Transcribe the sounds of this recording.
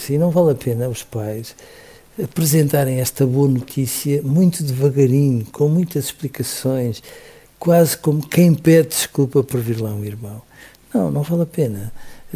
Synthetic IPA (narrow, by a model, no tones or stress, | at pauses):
sĩnɐ̃w̃valˠɐpenɐuʃpajʃ | ɐpɾɨzẽnt̪aɾẽj̃ɛʃt̪ɐβoɐnut̪ʰisiɐmũj̃t̪uðɨvɐɣɐɾiɲukʰõmũj̃t̪ɐziʃplˠikɐsõj̃ʃ | kwazkomukʰɐ̃j̃pɛðd̪ɨʃkulˠpɐpɔɾviɾlˠaw̃ũiɾmɐ̃w̃ | nɐ̃w̃nɐ̃w̃valˠɐpenɐ